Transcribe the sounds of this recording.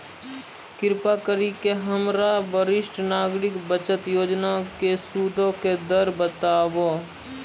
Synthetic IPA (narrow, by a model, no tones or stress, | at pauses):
kɪɾpakəɾikeɦəmɾabəɾɪʃʈnaːɡɾɪkbət͡ʃət̪joːd͡ʒnakesuːd̪ʱõked̪əɾbət̪aːbo